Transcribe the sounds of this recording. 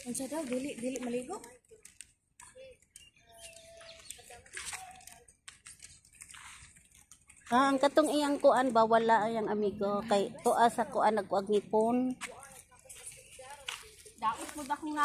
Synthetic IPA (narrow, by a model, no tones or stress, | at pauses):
ansad̪awd̪ilɪʔd̪ilɪʔmaliɡo | kaʔaŋkat̪ʊŋijaŋkʊʔanbawalaʔjaŋamiɡokajt̪ʊʔasakʊʔanaɡoʔaɡ̚ŋipʊn | d̪aʔat̪̚mʊd̪akniŋa